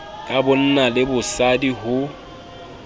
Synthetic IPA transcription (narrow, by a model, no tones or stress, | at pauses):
kʼabʊn̩nalɪbʊsadiɦʊ